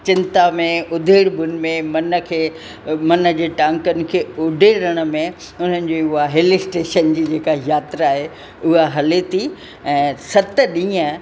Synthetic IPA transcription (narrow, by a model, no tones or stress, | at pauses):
t͡ɕɪ̃nt̪amẽʊd̪ʱeːɽbʱʊnɪ̆mẽmɐnə̆kʰeː | mɐnə̆d͡ʑeːʈãːŋkənɪ̆kʰeːʊɖʱeɾɐɽ̃ə̆mẽ | ʊn̤ənɪ̆d͡ʑeːʊɦaɦeːlɪsʈeːʃənd͡ʑiːd͡ʑeːkajaːt̪ɾaaːɦe | ʊɦaɦɐlet̪ʰi | ɛ̃ːsɐt̪əɗĩːə̃